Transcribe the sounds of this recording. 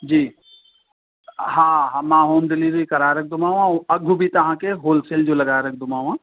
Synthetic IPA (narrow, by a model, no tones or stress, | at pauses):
d͡ʒiː | ɦãːɦãmãɦoːmd̪ɪliːɾikɐɾaːɾɐk̚ʰd̪ʊmaːũaɐɡʱubʱit̪ɐɦãkeɦoːlseːld͡ʒolɐɡaːɾɐk̚ʰd̪ʱʊmaːũɦãː